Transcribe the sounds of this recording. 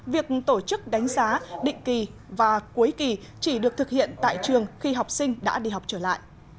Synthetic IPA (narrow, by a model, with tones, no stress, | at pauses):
vi˨˩ək̚t̪o˧˩t͡ɕɨ˦˥k̚ɗa˨˦jŋ̟zaː˨˦ɗḭ̈˧˨ŋ̟ki˨˩ | vaː˨˩ku˨˦jki˨˩t͡ɕi˧˩ɗɨ˨˩ək̚t̪ʰɨ˨˩k̚hḭ˧˨ənt̪a̰ː˧˨jt͡ɕɨ˨˩əŋxi˧ɦa˨˩wk͡p̚sï˧ŋ̟ɗa̰ː˧˥ɗi˧ɦa˨˩wk͡p̚t͡ɕəː˧˩la̰ː˧˨jʔ